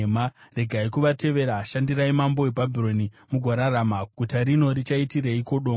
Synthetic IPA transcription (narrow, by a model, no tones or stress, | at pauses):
mare̞ɡʱaikuʋate̞ʋe̞ɾaʃandiɾaimambo̞ebʱabʱiro̞ni | muɡʱaɾaɾamaɡʱutaɾino̞ɾit͡ʃaitiɾeiko̞ɗoː